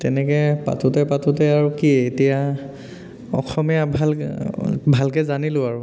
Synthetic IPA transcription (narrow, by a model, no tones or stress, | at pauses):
tɛnɛkɛpa̰tutɛpatutɛaɹukietija | ɔ̰xɔmijabʱal | bʱalkɛzanilʊ̃aɹu